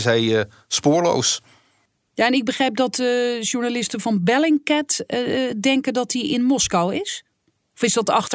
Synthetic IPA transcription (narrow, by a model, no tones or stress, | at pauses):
sɦɛj | spʊːɹlo̰ws | jaɛnɪɡ̚bəχrejp̚dɑtʒuɹnalɪstənvɑnbɛlɪŋkɛtdɛŋkəndɔtiʔɪnmɔskawɪs | ɔfɪzdɑtɑxt